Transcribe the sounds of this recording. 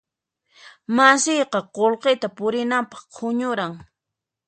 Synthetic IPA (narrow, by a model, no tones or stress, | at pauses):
masɪjqɑqolqet̪apʊɾɪnampɑ̥χqʰʊɲʊɾaŋ